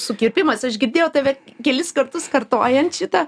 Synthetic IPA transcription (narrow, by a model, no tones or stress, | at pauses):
sʊkʲɪrʲpʲɪmɐsɐʃɡʲɪɾʲd̪ʲeːjɛʊt̪ɐɪʋʲɛkʲɛlʲɪskɐrt̪ʊskɐrt̪oːjɛnt̪ʃʲɪt̪ɐ